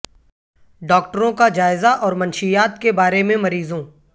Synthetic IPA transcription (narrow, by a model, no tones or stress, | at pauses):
ɖɔːk̚ʈəɾõkad͡ʒaːɪzaʔɔːɾmɐnʃijaːt̪kebaːɾemẽmɐɾiːzõː